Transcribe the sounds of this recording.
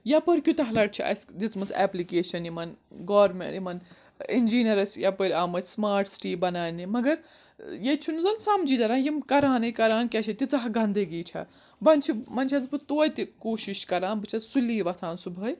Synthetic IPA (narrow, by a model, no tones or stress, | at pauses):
jɐpɐɾʲkʲjut̪ɐɦlɐʈ̚t͡ʃʰiʔɐ̰sdit͡smɐsɛ̰ːplikeːʃɐnimɐnɡaːɾmḛ̃ɳʈjimɐn | ind͡ʒiːnʲɐɾɐsjɐpɐɾʲaːmɐsmaːɾʈsʈiːbɐnaːnimɐɡɐɾ | jet͡ʃʰunuzɐnsamd͡ʒiːt̪ɐɾãːnjimkɐɾaːnɐjkɐɾaːnkʲat͡ʃʰɐt̪it͡sɐɦɡɐnd̪əɡiːt͡ʃʰɐ̰ | bɐnʲt͡ʃʰimɐnʲt͡ʃʰɐd͡zpɨt̪oːjt̪ikoːʃiʃkɐɾaːnbɨt͡ʃʰɐsuliːʋɐt̪ʰãːnsubʱɐj